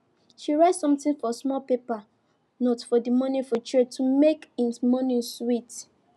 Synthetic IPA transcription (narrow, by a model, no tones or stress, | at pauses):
ʃiɹaɪtsɔ̃mtĩŋfɔsmɔlpepa | nɔtfɔdimɔnĩfɔt͡ʃɹɛtumekĩnsmɔnĩswit